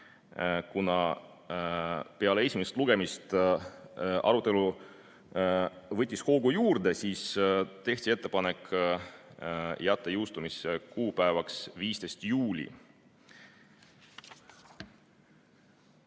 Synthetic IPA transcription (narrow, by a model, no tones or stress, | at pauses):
kunɑ | peɑleesʲimeset̪luɡ̥e̞mist̪ | ʔɑ̰ɾut̪ːˑelu | vɤt̪ʲːisho̞ːɡujuːrd̪e̞siːst̪e̞ht̪ʲie̞t̪ˑːe̞pɑne̞k | jæt̪ˑːɑjuwst̪umisekuːpæevɑksviːst̪e̞st̪juːlʲḭ